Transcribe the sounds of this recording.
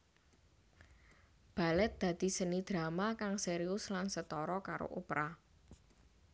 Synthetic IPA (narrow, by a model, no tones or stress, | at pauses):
b̥a̤lɛt̪̚d̪̥ä̤d̪̥i̤sənid̪̥ɾamakaŋseɾiʊslansət̪ɔɾɔkaɾo̰ʔupɾa